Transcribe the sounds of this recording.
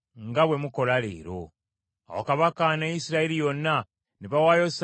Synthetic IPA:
ŋɡaβwe̞muko̞lale̞̰ːɾo̞ | a̰wa̰kaβakanejisiɾailijo̞nːa | neβawaːjos

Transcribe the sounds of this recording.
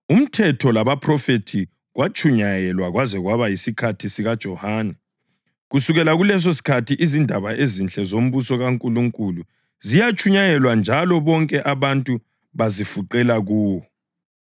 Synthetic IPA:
um̩tʰɛtʰɔlaβapʰrɔfetʰi | ɣwat͡ʃʰʼuɲajɛlwaɣwazɛɣwaβajisikʰatʰisiɣad̥ʒ̥ʱɔhaːnɛ | ɣusuɣɛlaɣulɛs̬osi̥kʰatʰiʔizindʱaβaezint͡ɬʼɛzom̩βusɔɣaŋkʼuluŋkʼulu | zijat͡ʃʰʼuɲajɛlwand͡ʒʱalɔβɔŋkʼɛʔaβantʼu | βazifuǃɛlaɣuːwɔ

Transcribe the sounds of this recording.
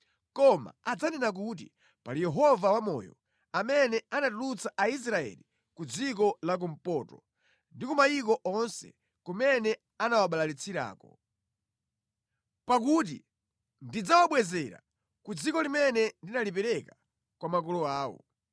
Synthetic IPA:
kɔma̰ad͡zanɛnak̬ut̬ḭ | palijɛɦɔvawamɔ̰jɔ̰ | amɛnɛanatulut͡saʔais̬ɾaɛ̰li | kud͡zikɔlak̬um̩pɔtɔ | ndikumajik̬ɔʔɔnsɛ̰ | kumɛnɛ | anawaɓalalit͡sʰiɾa̰ːkɔ | pak̬ut̬i | ndid͡zawaɓwɛzɛɾa̰ | kud͡zikɔlimɛnɛndinalipɛɾɛka | kwamak̬ɔlɔaːwɔ̰

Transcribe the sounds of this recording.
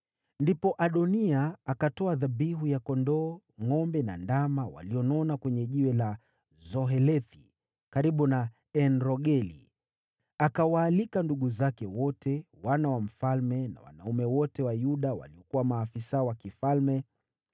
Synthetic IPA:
ndipɔʔaɗɔniaakatɔaðabiɦujakɔndɔː | ŋɔmbɛna̰ndamawa̰liɔnɔnakwɛɲɛʄiwɛla | zɔɦɛlɛθi | kaɾiɓuna | ɛnɾɔɠɛlḭ | akawaːlikanduɠuzakɛwɔtʰɛwanawam̩falmɛna̰wa̰na̰umɛwɔtɛwajuɗawa̰liɔkuwamaːfisaɔwakifalmɛ

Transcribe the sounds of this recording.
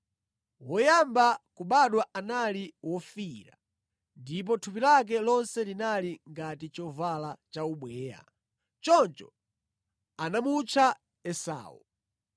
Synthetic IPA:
wɔjambakuɓaɗwaʔanaliwɔfiɾa | ndip̬ɔtʰup̬ilak̬ɛlɔnsɛlinaliŋɡatit͡ʃɔvalat͡ʃauɓwɛːja̰ | t͡ʃɔnt͡ʃɔ | anamut͡ʃʰa | ɛsa̰ːwṵ

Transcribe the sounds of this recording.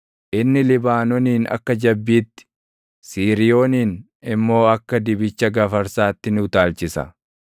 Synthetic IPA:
ʔɪnːɪlɪbaːnɔniːnɐ̰kːɐd͡ʒɐbːiːt̪ːɪ̥ | siːɾɪjo̞ːniːn | ɪmːo̞ːɐkːɐd̪ɪbɪt͡ʃːɐɡɐfɐɾsaːt̪ːɪnɪʊt̪aːlt͡ʃɪsɐ̰

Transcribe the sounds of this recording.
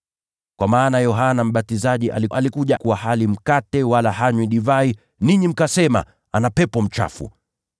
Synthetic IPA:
kwamaːnajɔɦanam̩ɓatizaʄiʔa̰liʔalikuʄakuwahalim̩katɛwalahaɲwiɗivai | niɲim̩kasɛma̰ | anapɛpɔm̩t͡ʃa̰fṵ

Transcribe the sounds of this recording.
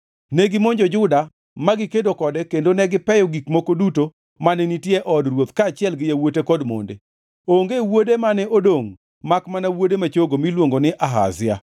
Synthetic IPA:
nɛɡɪmoɲd͡ʒod͡ʒʊda | maɡɪkedokɔdɛkendonɛɡɪpɛjɔɡikmokoduto | manɛnitjeʔɔdrwot̪kaːt͡ʃɪɛlɡɪjawotekɔdmo̰ndḛ | oŋɡewodemanɛʔodoŋ | makmanawodemat͡ʃoɡomilwoŋɡonɪʔaɦa̰zɪa

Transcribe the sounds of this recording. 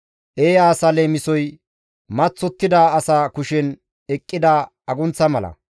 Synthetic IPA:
ʔeːjaːsɐleːmɪsɔj | mɐt͡sːɔt̪ːɪd̪ɐːsaːkʊʃɛn | ɛkʼːɪd̪ɐ | ɐɡʊnt͡sːɐmɐlɐ̰

